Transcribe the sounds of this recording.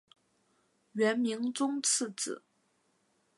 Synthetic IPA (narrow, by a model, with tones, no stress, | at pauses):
ɥɛ˧˥nmi˧˥ŋt͡sʊ˥ŋt͡s̩ʰ˥˩t͡sɹ̩̰˨˩˦